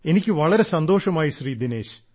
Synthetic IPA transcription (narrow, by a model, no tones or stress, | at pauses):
enikʲːɨʋɐɭɐɾesɐnd̪oːʂɐmaːjiʃriːd̪ineːʃ